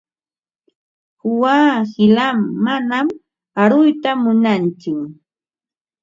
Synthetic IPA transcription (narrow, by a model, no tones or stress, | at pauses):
hʊwaːhɪlamːanam | aɾʊjt̪amʊnant͡ʃʊ